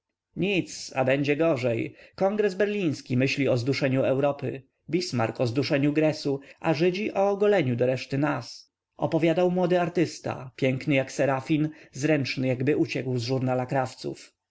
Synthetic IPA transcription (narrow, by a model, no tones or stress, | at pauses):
ɲit̪sa̰bɛɲd͡ʑɛɡɔʐɛjkɔŋɡɾɛzbɛɾlʲĩj̃skʲimɘɕlʲiɔzd̪uʂɛɲuɛwɾɔpɘ̰ | bʲismaɾkʰɔzd̪uʂɛɲuɡɾɛsuʔaʐɘd͡ʑiʔɔɡɔlɛɲud̪ɔɾɛʂt̪ɘnas | ʔɔ̰pɔvʲjad̪awmwɔd̪ɘaɾt̪ɘst̪a̰pʲjɛŋknɘjaksɛɾafʲinzɾɛnt͡ʂnɘjaɡbɘʔut͡ɕɛkwzʐuɾnalakɾaft̪sṵf